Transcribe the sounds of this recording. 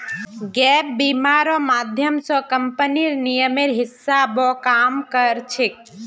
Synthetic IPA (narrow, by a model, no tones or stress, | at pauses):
ɡɛp̚bimaɾɔmaːd̪ʱjəmsɔkəmpəniɾnijəmeɾɦɪsːabɔkamkəɾt͡ʃʰik̚